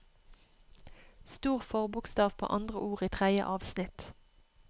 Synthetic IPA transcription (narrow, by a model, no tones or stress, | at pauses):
st̪uːʁfɔʁbʊkst̪ɑːʋpʰo̰ːʔɑnd̪ʁəʔuːʁiːt̪ʰʁæjə̰ʔɑːʋsnɪt̪